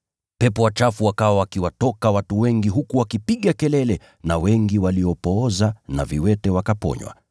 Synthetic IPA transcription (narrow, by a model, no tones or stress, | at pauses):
pɛpɔwat͡ʃafuwakawawakiwatɔkawatuwɛŋɡiɦukuwakipiɠakɛlɛlɛ | nawɛŋɡiwaliɔpɔːzana̰viwɛtɛwakapɔ̰ɲwa̰